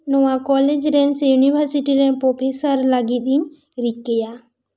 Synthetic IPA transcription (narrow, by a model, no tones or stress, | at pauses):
noʋãkɔːled͡ʒɾensejuniʋəɾsiʈiɾɛ̃npɾopʰesəɾlaɡiɗ̪iɲ | ɾikːeja